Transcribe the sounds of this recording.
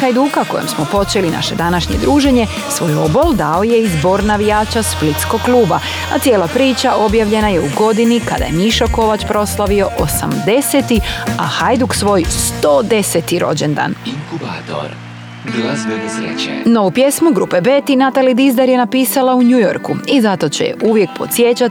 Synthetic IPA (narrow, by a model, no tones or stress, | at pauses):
xajd̪ukako̞jemsmo̞po̞t͡ʃe̞lina̰ʃe̞d̪anaʃɲe̞̰d̪ɾuːʒe̞ɲe̞ | sʋo̞ːjo̞bo̞ld̪aoje̞izbo̞ɾnaʋijaːt͡ɕasplit̪sko̞ɡklˠuːba | at̪sje̞ːlapɾiːt͡ʃaʔo̞bjaʋʎe̞naje̞uɡo̞d̪inika̰d̪a̰jemiʃako̞ʋat͡ɕpɾo̞slˠaʋio̞ʔosa̰md̪e̞se̞t̪iaxajd̪uksʋo̞jst̪o̞ːd̪e̞set̪iɾo̞̰d͡ʑend̪a̰ːniŋkaɾ | no̞ʋupje̞smuɡɾupebeːt̪inat̪alid̪izd̪aɾje̞napiːsalauɲujo̞̰ɾkuizat̪o̞t͡ɕejḛʔuʋje̞k̚po̞t̪sje̞t͡ɕat̪i